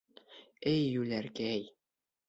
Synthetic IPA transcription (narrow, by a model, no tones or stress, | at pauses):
ɘjːʉlæɾkæj